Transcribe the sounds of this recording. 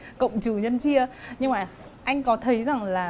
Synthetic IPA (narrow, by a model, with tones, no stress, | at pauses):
kə̰˧˨wŋ͡mt͡ɕɨ˨˩ɲə˧nt͡ɕi˧əɲɨ˧ŋmaː˨˩ | ʔa˧jŋ̟kɔ˨˦t̪ʰə˨˦jza˨˩ŋlaː˨˩